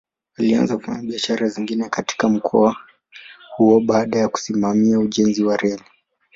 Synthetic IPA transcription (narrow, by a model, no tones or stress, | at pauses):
walia̰nzakufa̰ɲaɓiaʃaɾaziŋɡinɛkati̥kam̩kʰɔ̰a | huɔɓaːɗajaku̥simamiauʄɛnziwaɾɛli